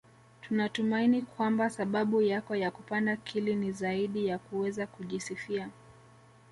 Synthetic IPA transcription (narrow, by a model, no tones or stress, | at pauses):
tunatumainikwambasaɓaɓujakɔjakupandakʰilinizaiɗijakuwɛzakuʄisifia